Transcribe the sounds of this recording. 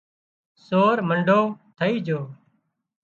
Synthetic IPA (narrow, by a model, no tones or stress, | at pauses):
soːɾməɳɖʱoːt̪ʰəiːd͡ʒoː